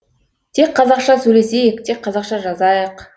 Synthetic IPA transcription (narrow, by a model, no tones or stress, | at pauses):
t̪ʰe̞k̚qʰɑzɑqʃɑsɵjle̞se̞jɪk̚t̪ʰe̞k̚qʰːɑzɑqʃɑʒɑzɑjəq